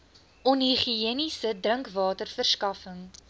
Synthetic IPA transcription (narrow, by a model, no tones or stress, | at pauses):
ɔnɦiχiiənisədrəŋkvɑːtərfərskɐfəŋ